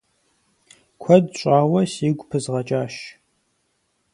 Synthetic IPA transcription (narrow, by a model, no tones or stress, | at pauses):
kʷʰɐdɕʷʼaːwɐsiːɡʷʼpʰɨzʁɐt͡ʃʼaːʃ